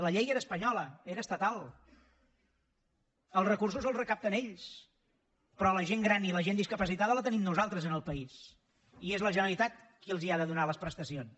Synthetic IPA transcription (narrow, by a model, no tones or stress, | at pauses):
ləʎejeɾəːspəɲɔləeɾəːst̪ət̪alˠ | əlˠzrəkurs̬uzəlˠzrəkap̚t̪əneʎs | pɾɔləʒeŋɡɾaniləʒend̪iskəpəsit̪aðələt̪ənimnuzalˠt̪ɾəzənəlˠpəis | iezləʒənəlit̪at̪̚kiəlˠziaðəðunaləspɾəst̪əsions